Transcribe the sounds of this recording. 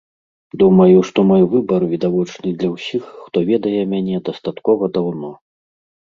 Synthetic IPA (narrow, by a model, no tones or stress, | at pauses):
d̪umɐjuʂt̪ɔmajvɨbɐrvʲid̪avɔt͡ʂnɨd̪lʲɐwsʲixːt̪ɔvʲɛd̪ɐjɛmʲanʲɛd̪ɐst̪at̪kɔvɐd̪awnɔ